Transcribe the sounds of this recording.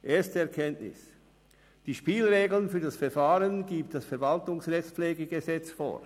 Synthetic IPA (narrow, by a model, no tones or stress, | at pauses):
ʔeːɐstəɛɐkʰɛntnɪ̰s | d̥iːʃpiːlʁeːɡl̩nfyːɐdasfɛɐfaːʁənɡ̥iːpt̚d̥asfɛɐvaltʊŋsʁɛçt͡spfleːɡəɡəzɛt͡sfo̰ː